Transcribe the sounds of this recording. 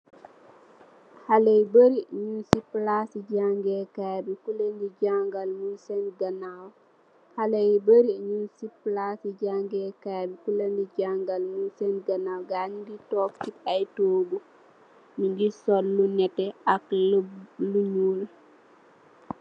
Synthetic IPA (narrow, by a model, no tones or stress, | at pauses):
halejbəɾiɲunsiplasid͡ʒaŋɡɛkabikulendiɟaŋɡalmunsɛnɡanaw | halejbəɾiɲunsiplasiɟaŋɡɛkabikulandid͡ʒaŋɡalmunsɛnɡanawɡaniditɔfkitajtoːbu | ninɡisɔlːunɛtɛaklluɲuːl